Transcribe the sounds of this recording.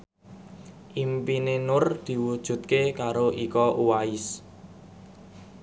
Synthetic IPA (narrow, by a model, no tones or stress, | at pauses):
ʔimpinenʊrd̪̥i̤wud̥ʒ̥ṳt̪̚kekaɾoʔikɔʔuwaɪs